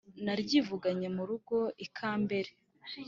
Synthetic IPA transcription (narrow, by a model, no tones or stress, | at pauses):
naɾɟiːvuɡaɲe̞muɾuɡo̞ʔikʰaːmbe̞ɾe